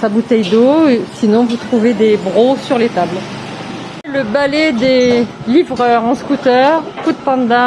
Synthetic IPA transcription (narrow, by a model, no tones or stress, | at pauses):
sabut̪ɛjd̪osinɔ̃vut̪χuved̪ebʁosyʁlet̪abl | ləbalɛd̪e | livʁœʁɑ̃skut̪œʁkud̪̚pɑ̃d̪a